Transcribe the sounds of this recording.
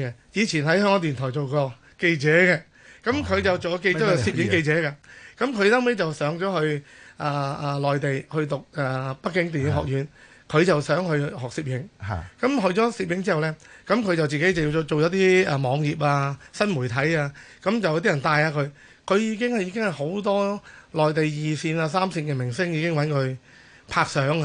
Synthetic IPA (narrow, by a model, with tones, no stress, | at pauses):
ɛ˧jiː˨˧t͡sʰiː˨˩nhɐ˨˥jhœ˥˧ŋɔː˨˧˥t̪yː˨nt̪ʰɔː˨˩jt͡so˨wkɔː˧ | ke˧jt͡sɛː˨˥kɛː˧ | kɐ˨˦˥mkʰɵ˨˧ɥt͡sɐ˨wt͡so˨wjɔ˧ke˧jkɔ˧siː˧p̚jɪ˨˧˥ŋke˧jt͡sɛː˨˥kaː˧kɐ˨˥mkʰɵ˨˧ɥsɐ˥wme˥jt͡sɐ˨wsœː˨˥ŋt͡ʃɔː˨˥hɵ˧ɥʔaː˨˩aː˨˩lɔː˨˩jt̪e˨jhɵ˧ɥt̪ʊ˨k̚aː˨˩pɐ˥kːɪ˨˥ŋt̪iː˨njɪ˨˥ŋɦɔ̰ː˨k̚jyː˨˧˥n | kʰɵ˨˧ɥt͡sɐ˨wsœː˨˥ŋhɵ˧ɥɦɔː˨k̚siː˧p̚jɪ˨˧˥ŋkɐ˨˥mɦɵ˨˧ɥt͡sɔː˨˥siː˧p̬̚jɪ˨˥ŋt͡siː˥hɐ˨wlɛː˥kɐ˨˥mkʰɵ˨˧ɥt͡sɐ˨wt͡siː˨ke˨˥jt͡sɐ˨wjiː˧t͡so˨wjɐ˨˥t̪iː˥aː˨˧mɔː˨˧ŋjiː˨p̚aː˧sɐ˥nmuː˨˩jt̪ʰɐ˨˥jaː˧kɐ˨˥mt͡sɐ˨wjt̪iː˥ɐ˨˩nt̪aː˧jaː˧kʰɵ˨˧ɥ | kʰɵ˨˧ɥjiː˨˧˥k̬ɪ˥ŋhɐ˨jiː˧kɪ˥ŋhɐ˨jho˨˥wt̪̬ɔː˥lɔː˨˩jt̪e˨jjiː˨siː˧naː˧saː˥msi˧nkɛː˧mɪ˨˩ŋsɪ˥ŋjiː˧kɪ˥ŋwɐ˨˥nkʰɵ˨˧ɥ | pʰaː˧k̚sœː˨˥ŋa˧